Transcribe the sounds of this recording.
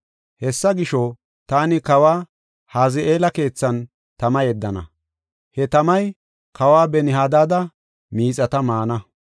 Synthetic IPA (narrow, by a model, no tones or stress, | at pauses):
hɛsːɐɡɪʃɔ | t̪aːnɪkɐwaː | haːzɪeːlɐke̞ːt͡sːɐn | t̪ɐmɐjɛd̪ːɐnɐ̰ | hɛt̪ɐmɐj | kɐwaːbɛnɪhaːd̪aːd̪ɐ | miːt͡sʼɐt̪ɐmaːnɐ